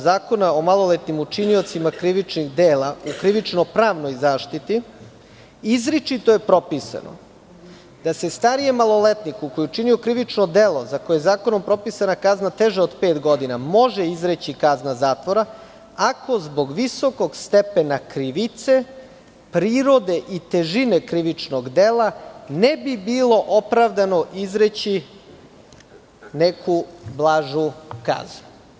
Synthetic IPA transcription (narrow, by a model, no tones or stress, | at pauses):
zaːko̞nao̞malˠo̞let̪nimut͡ʃinio̞t̪simakɾiʋit͡ʃniɣd̪eːlaukɾiʋit͡ʃnopɾaːʋno̞jzaːʃt̪it̪i | izɾit͡ʃit̪o̞jepɾo̞pisa̰no̰ | d̪̥ase̞st̪aɾijemalˠo̞let̪nikukojuut͡ʃinio̞kɾiʋit͡ʃnod̪elˠo̞zako̞jeezaːko̞no̞mpɾo̞pisanakaznat̪e̞ʒeod̪peːt̪ɡo̞d̪inamo̞ʒeizɾet͡ɕikaznazaːt̪ʋo̞ɾa | ako̞zbo̞ɡʋiso̞ko̞ɡst̪epenakɾiʋit̪se̞ | pɾiːɾo̞d̪e̞ʔit̪eʒine̞kɾiʋit͡ʃnoɡd̪elˠanebibilˠo̞ʔopɾaʋd̪ano̞ʔizɾet͡ɕi | nekublˠaːʒuka̰znu